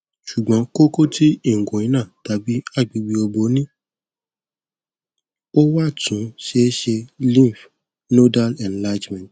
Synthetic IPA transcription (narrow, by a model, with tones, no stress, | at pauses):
ʃu˨ɡ͡bɔ̃˨˦ko˦ko˦tʰi˦i˦˨ŋ̩˨ɡõ˨ĩ˨˦nã˦˨ta˨˧bi˦a˦˨ɡ͡bi˨˧ɡ͡bi˧˦o˧bo˨˦nĩ˦ | o˦wa˦˨tũ˨˦ʃe˧˦ʃe˧lĩ˦˨f | no˦da˦lɛ̃˨nla˦d͡ʒmɛ̃˨t